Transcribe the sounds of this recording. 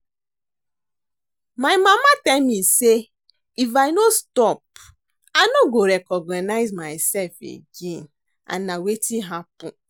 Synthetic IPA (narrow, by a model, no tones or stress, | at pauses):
maɪmamatamise | ifaɪnostɔp̚ | anoɡoɾekɔɡnanaɪzmaɪsɛlfḛɡen | a̰nawetiɦapʊ